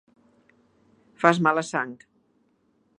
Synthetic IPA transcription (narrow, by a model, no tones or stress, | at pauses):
fazmaləsaŋk